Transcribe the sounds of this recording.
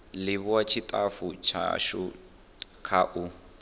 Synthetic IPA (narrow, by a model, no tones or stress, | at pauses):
lɪβwat͡ʃʰitʼafut͡ʃʰa̰ʃʊ | kʰaʔu